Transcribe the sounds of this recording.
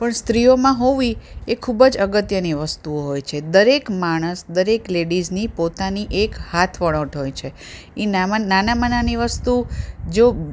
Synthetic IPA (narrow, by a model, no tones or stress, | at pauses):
pəɳst̪ɾiomãɦoʋiekʰubəd͡ʒəɡət̪jəniʋəst̪uoɦojt͡ʃʰed̪əɾekmaɽ̃əsd̪əɾekleɖiznipot̪aniʔekhat̪ʰʋəɭoʈɦojt͡ʃʰe | inananamənaniʋəst̪ud͡ʒo